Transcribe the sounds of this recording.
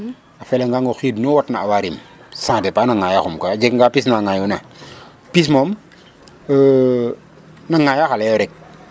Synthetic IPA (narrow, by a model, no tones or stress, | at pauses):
afɛlaŋɡaŋɡoxidnuwɔtnaawaɾimsãːdɛpanaŋajaxumkaad͡ʒekŋɡapis̬naŋajuna | pis̬mom | naŋajaxalejoɾɛk̚